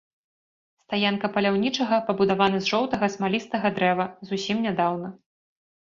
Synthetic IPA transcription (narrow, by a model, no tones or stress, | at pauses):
st̪ajankɐpɐlʲawnʲit͡ʂɐɣɐpɐbud̪avanɐzʐɔwt̪ɐɣɐsmalʲist̪ɐɣɐd̪ɾɛvɐzusʲimnʲad̪awnɐ